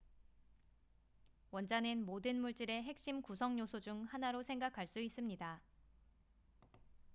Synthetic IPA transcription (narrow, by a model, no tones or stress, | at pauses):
wʌnd͡ʑanɯnmodɯnmuɭt͡ɕ͈iɾe̞ɦe̞k̚ɕ͈imkusʰʌŋɲosʰod͡ʑuŋhanaɾosʰe̞ŋɡakʰaɭs͈uis͈ɯmɲida